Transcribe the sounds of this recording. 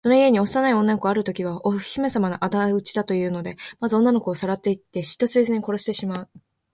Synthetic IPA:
so̞no̞ie̞ɲ̟iossanaiõ̞nːano̞kɯaɾɯ̟t̪o̞kʲiβ̞aʔo̥çime̞samanaʔad̪aɯ̟t͡ɕi̥d̪at̪o̞jɯ̟ːno̞d̪e̞mazɨõ̞nːano̞kɯːsaɾat̪ːe̞it̪ːe̞ɕi̥t̪ːo̞ɕisezɨɲ̟iko̞ɾo̞ɕi̥t̪e̞ɕimaɯ̟

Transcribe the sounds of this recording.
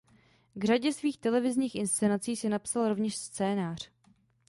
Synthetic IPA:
ɡr̝aɟɛsviːxt̪ɛlɛvɪzɲiːxʔɪnst͡sɛnat͡siːsɪnapsalɾo̞vɲɛʃst͡sɛːnaːr̝̥

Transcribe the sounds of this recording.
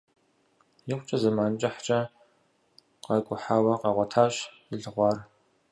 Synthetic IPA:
jɪqʷʊt͡ʃʼɐzɐmaːnt͡ʃʼɐħt͡ʃʼɐ | qɐkʷʼʊħaːwɐqɐʁʷɔtʰaːɕ | ɪɮɨʁʷɑːr

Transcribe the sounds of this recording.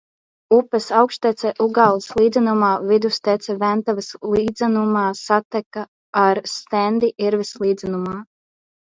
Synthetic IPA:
upɛsawkʃt̪ɛt̪sɛʔuɡaːlˠislˠiːd̪zʲɛnumaːvid̪ust̪ɛt̪sʲɛvænt̪avɐslˠiːd̪zɛnumaːsat̪ɛkaː | ɾst̪ɛnd̪iʔiɾvislˠiːd̪zɛnumaː

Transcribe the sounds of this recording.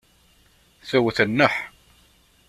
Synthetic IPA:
θæwθənːəħ

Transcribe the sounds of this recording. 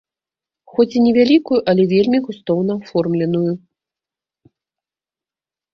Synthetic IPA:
xɔt͡sʲinʲɛvʲalʲikujuʔɐlʲɛvʲelʲmʲiɣust̪ɔwn̪ɐafɔrmlʲɛnuju

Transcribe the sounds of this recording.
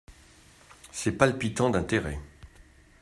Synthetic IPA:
sɛpalpit̪ɑ̃d̪ɛ̃t̪eʁɛ̰

